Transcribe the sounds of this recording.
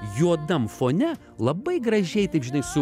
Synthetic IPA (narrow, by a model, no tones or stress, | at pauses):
juɔd̪ɐmfoːnʲɛ | lˠɐbɐɪɡɾɐʒʲɛɪt̪ɐɪpʒʲɪnɐɪsʊ